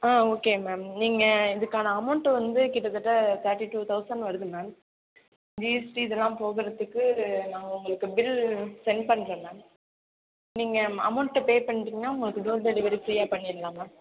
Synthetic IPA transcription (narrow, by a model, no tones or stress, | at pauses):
aːoːkeːmeːmniːŋɡɐɪðɯkːaːnɐɐmɐʊɳʈːʋɐnd̪ɯkɪʈːɐt̪ːɯʈːɐt̪ʰɐɾʈːiʈuːt̪ʰɐʊsɐɳɖʋɐɾɯðɯmeːm | d͡ʒiːɛsʈiɪðɛlːãːpoːɣɪɾɐðɯkːɯnãːŋɡɐʊŋɡɐɭɯkːɯbɪlsɛnpɐɳːɾeːneː | niːŋɡɐɐ̰mɐʊɳʈːɐpeːpɐɳːɪʈɾiŋɡɐnaːʊŋɡɐɭɯkːɯɖoːɾd̪eɽɪʋɐɾifɾiːjaːpɐɳːɪɾɯlːaːmaːm